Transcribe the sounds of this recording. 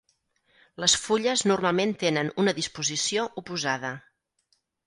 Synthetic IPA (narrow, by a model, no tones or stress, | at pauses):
ləsfuʎəznurmalˠment̪enənunəðispuzisioʔupuzaðə